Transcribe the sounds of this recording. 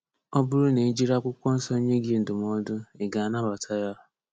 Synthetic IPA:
ɔ˦bʊ˦ɾʊ˦ne˨˦d͡ʒi˦ɾa˦kʷʊ˦kʷɔ˦n̩˦sɔ˦ɲe˦ɡe˦n̩˨dʊ˨m˦ɔ˦dʊ˦e˨ɡa˨na˦ba˨tʰa˦ja˦˨

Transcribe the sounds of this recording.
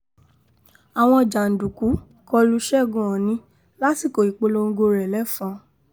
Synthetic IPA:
a˨w̃ɔ̃˧˨d͡ʒa˨n̩˨du˨ku˨˦ | kɔ˧lu˧ʃɛ˦˨ɡũ˨ɔ̃˨nĩ˦ | la˦si˦˨ko˨i˨k͡po˧lo˧˦ŋ̩˦ɡo˧ɾɛ˨lɛ˨˦fɔ̃˨˧˦

